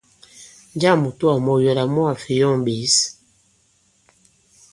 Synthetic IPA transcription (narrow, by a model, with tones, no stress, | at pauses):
n˦d͡ʒa˦˨mu˨tu˦a˨mɔ˨jɔ˨la˨mɔ˦a˨fi˨jɔ˦˨ŋbi˨˦s